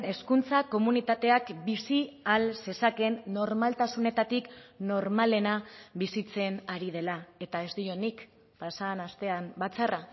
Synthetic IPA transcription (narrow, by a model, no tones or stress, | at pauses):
e̞skunt͡sako̞munit̪at̪e̞akbisialse̞sake̞nːo̞ɾmalt̪asune̞t̪at̪ikno̞ɾmale̞naβisit͡se̞naɾið̞e̞lae̞t̪ae̞zd̪io̞nik | pasaːnast̪e̞ambat͡sara